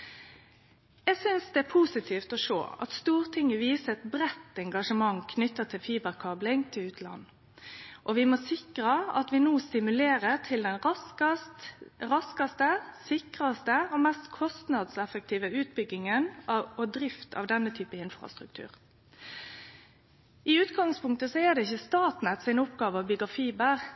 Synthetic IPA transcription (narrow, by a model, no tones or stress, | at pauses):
jɛɡsʏnsd̪ɛæpʰusɪt̪ʰiːft̪ɔʂo̰ːɑ̰t̪st̪uːʁt̪ʰɪŋəʋiːsəɛt̪bʁɛt̪ːɛŋɡɑʂəmɑŋkʰnʏt̪ːət̪ʰɪlfiːbəʁkʰɑblɪŋt̪ʰɪlʉːt̪ʰlɑ̰nː | ʔɔʋɪmɔsɪkʁəɑt̪ʋɪnuːst̪ɪmʉleːʁəʁt̪ʰɪld̪ɛnʁɑskɑst̪ʁɑskɑst̪əsɪkʁɑst̪əɔmɛst̪kʰɔst̪nɑd̪sɛfək̚t̪ʰiːʋəʉːt̪̚bʏɡːɪŋənɑɔd̪ɾɪft̪ʰɑ̰ʋd̪ɛnːət̪ʰyːpəɪnfʁɑ̰st̪ʁʉkt̪ʰʉ̰ːʁ | ɪʉːt̪ɡɑŋspʰʊŋkt̪əsɔæd̪ɛɪçːəst̪ɑːt̪nɛt̪sɪnʊpɡɑːʋəɑbʏɡɑfiːbəʁ